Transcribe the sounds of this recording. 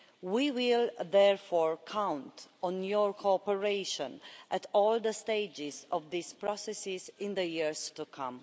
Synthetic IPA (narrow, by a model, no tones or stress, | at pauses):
wiwilðɛɹfɔɹkʰãwntɔ̃njɔɹkʰoɔpəɹeʃɔ̃nʔætɔld̪əsteɪd͡ʒɪzɔvðispɹɔsɛsizɪ̃nd̪əjiɹztukʰãm